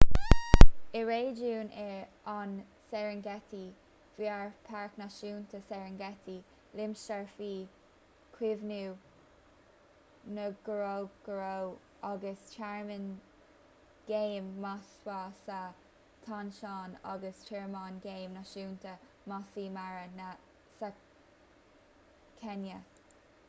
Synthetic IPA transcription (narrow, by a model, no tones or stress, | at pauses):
ɪɹeːd͡ʒuːnɛɹ | an | sɛɹənɡɛt̪i | v̥iaɹpʰaɹknaʃuːntʰəsɛɹənɡɛt̪ʰi | lɪmstaɹfiː | kʰwɪvnuː | nəɡ̥əɹoɡ̥əɹow | aɡəst͡ʃʰɛɹmən | ɡ̥eːmːaswɑːsa | t̪ʰɑnʃɑːnɑ̰ɡəstʰɛɹmɑːnɡeːmnaʃuːntʰə | masiːmaɹənə | sa | kʰɛnjə